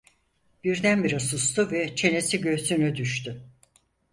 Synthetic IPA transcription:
b̥iɾd̪ænbiɾasust̪uvɛt͡ʃʰe̞ne̞siɟø̞synyd̪yʃt̪ʰy

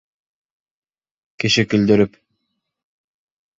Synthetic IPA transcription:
kiʃikɵld̪ɵɾyp

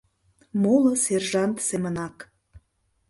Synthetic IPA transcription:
moləserʒɑnt̪semənɑk

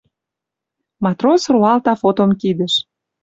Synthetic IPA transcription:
mɑt̪rosruɑlt̪ɑfot̪omkid̪ə̆ʃ

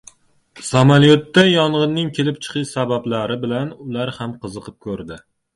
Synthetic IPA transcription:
samalijot̪ːajɒɴʁɨnːɪŋkʲʰe̞lɪp̚t͡ʃʰɨ̥qʰɨʃsabablaɾɪbɪlanʊlaɾhamqʰɨzɨqʰɨp̚kʰɵɾd̪ɪ

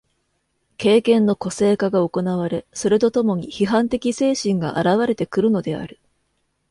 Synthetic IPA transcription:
ke̞ːkẽ̞nːo̞ko̞se̞ːkaɡao̞ko̞naβ̞aɾe̞so̞ɾe̞t̪o̞t̪o̞mo̞ɲ̟içiɦãnt̪e̞kʲise̞ːɕĩŋɡa̰ʔaɾaβ̞aɾe̞t̪e̞kɯ̟ɾɯ̟no̞d̪e̞a̰ɾɯ̟

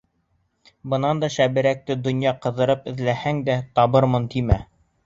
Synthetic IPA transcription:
bɤ̆nɑnd̪ɑʃæβɘ̆ɾæk̚t̪ɘd̪ŏnjɑqɤ̆ðɤ̆ɾɤpɘ̆ðlæhæŋd̪æt̪ɑβɤɾmɤnt̪imæ

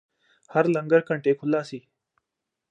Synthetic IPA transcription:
həɾlə̃ŋɡəɾkəɳʈeːkʰʊlaːsiː

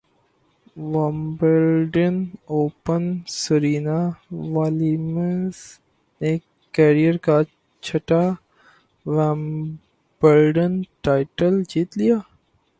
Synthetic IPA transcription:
ʋãmbəɾɖənoːpənsəɾiːnaʋaːliməs | nekː | eɾijəɾka | t͡ʃʰɐʈa | ʋam | bəɾɖənʈaːɪʈəld͡ʒiːt̪lijaː

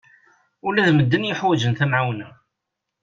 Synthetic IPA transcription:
ʊlæðməd̪ːənjəħwæd͡ʒənθæmʕawnæ

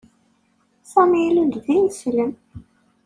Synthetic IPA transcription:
sæmilund̪ðinsləm

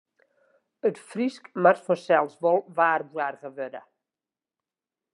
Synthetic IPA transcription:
ətfriskmartfɔsɛlˠsvɔlˠvaːrbwarɣəvødə̰

